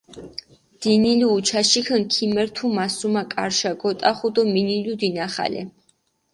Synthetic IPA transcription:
d̪̥iniluːt͡ʃʰaʃikʰənkʰimɛɾt̪ʰumasumakʼa̰ɾʃaɡɔt̪ʼaχud̪ɔminilud̪inaχa̰lɛ̰

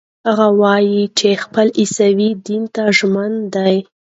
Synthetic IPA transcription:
haɣawɑjit͡ʃexpəlʔisawid̪int̪aʒmand̪aj

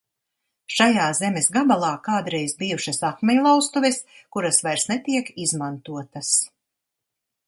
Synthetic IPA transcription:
ʃajaːzɛmesɡabalˠɑːkaːd̪ɾɛjzbijuʃɐsakmʲɛɲlˠawst̪uvʲɛs | kuɾasvajɾsnɛt̪iɛkizmant̪uɔt̪ɐs

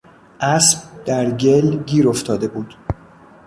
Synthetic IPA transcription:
ʔæsb̚d̪̥æɾɟe̞lɟiːɾoft̪ʰɒːd̪e̞buːd̪̥

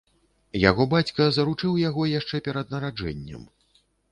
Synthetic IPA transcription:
ja̰ɣɔbat͡sʲkɐzɐɾut͡ʂɨwjaɣɔjaʂt͡ʂɛpʲɛɾɐd̪nɐɾad͡ʐɛ̰nʲːɐ̰m

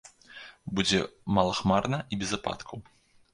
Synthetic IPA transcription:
bud͡zʲɛmalˠɐxmarnɐʔibʲɛzapa̰t̪kʰɐw

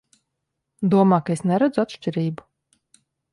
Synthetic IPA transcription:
d̪uɔmaːkaesnɛɾæd̪zuat̪ʃt͡ʃʲiɾiːbu̥

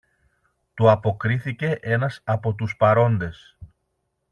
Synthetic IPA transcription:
t̪uɐpo̞kɾiθice̞ʔe̞nɐsɐpo̞t̪uspɐɾo̞nd̪e̞s

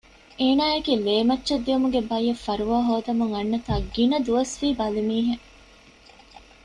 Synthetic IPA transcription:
eːnaːeɡiːleːmɐt͡ʃːʃɐd̪ːiumuɡebɐjːɐfɐɾuʋaːɦoːd̪ɐmuŋɐnːɐt̪aːɡinɐd̪uʋɐsʋiːbɐlimiːɦe

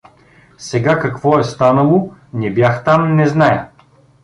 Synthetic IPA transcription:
sɛɡakɐkvɔɛst̪anəlˠonɛbjaxt̪amnɛznajə

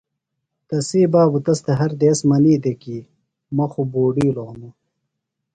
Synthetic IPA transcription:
t̪ɐsiːbaːbut̪ɐst̪eɦɐɾd̪eːsmɐniːd̪ekiː | mɐxuboːɖiːloʁnu

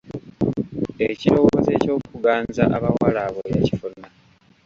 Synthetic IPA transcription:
eciɾo̞woːzḛːco̞ːkuɡaːnza̰ʔaβawalaβoja̰cifuna

